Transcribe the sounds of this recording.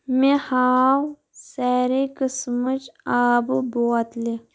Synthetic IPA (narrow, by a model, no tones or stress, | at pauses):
mẽhaːw | sɛːɾekəsmət͡ʃaːbboːt̪le